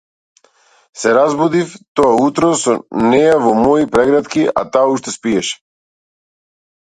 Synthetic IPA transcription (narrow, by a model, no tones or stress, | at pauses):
sɛɾazbud̪ift̪ɔaut̪ɾɔsɔnɛjavɔmɔipɾɛɡɾat̪kia̰t̪aːuʃt̪ɛspiɛʃɛ̥